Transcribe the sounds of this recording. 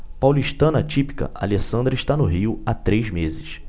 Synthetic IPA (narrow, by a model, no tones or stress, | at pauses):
pawliʃt̪ɐ̃nɐt͡ʃipi̥kɐ̰ʔa̰lesɐ̃nd̪ɾɐɪiʃt̪anʊɦiʊat̪ɾejzmezɪs